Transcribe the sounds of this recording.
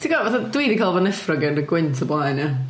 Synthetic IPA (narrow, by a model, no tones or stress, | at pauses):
tʰiɡavaθadwiːdikʰalˠvɔnɛfrɔɡɛnriɡwɪntʰəblˠanja